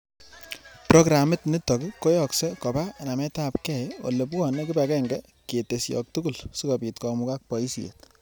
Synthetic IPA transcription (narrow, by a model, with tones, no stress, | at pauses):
pɾɔ˦ɡɾa˨mɪ˦tni˦tɔ˨kikːɔ˦jɔ˨ksɛ˦kɔ˨ba˦na˨mɛ˦ta˦p̚kɛ˨jwo̰˨le˨p̬kɔ˨ne˦kɪ˦ba˨kɛ˦ŋɡɛ˦ | ke˨te˨sjɔ̰˨k̚tu˦ku˨lsi˦kɔ˨pi˨tkɔmuka˦k̚pɔ˨i˦si˨ḛ˨t̚